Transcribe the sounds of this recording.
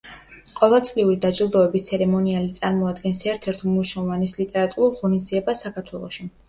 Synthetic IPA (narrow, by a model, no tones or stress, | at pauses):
qʼɔvɛlˠt̪sʼliuɾid̪ad͡ʒilˠd̪ɔɛbist̪sʰɛɾɛmɔnialit̪sʼaɾmɔad̪ɡɛnsɛɾt̪ʰɛɾt̪ʰmuʃavanislit̪ʼɛɾat̪ʼuɾuɾʁɔnizd̪ziɛbasakʰaɾt̪ʰwɛlˠɔʃi